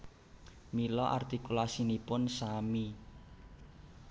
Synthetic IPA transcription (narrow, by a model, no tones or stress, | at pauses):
milɔʔa̰rt̪ikulasinipʊnsami